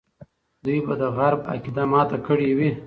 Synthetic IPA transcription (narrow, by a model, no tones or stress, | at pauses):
d̪ujbad̪əɣaɾba̰kid̪amɑt̪akəɽiwi